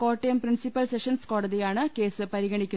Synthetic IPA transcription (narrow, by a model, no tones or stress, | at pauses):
ko̞ːʈːɐjɐmprinsipːɐlseʂɐnsko̞ːɽɐðijaːɳɨke̞ːsɨpɐɾiɣɐɳikʲːun